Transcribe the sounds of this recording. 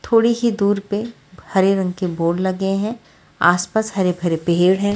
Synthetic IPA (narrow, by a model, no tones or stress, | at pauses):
t̪ʰoːɽiɦid̪uːɾpe | hɐɾeɾɐ̃ŋɡkeboːɽlɐɡeɦɛ̃ː | aːspaːshɐɾebʱɐɾepeɦeːɽɦɛ̃ː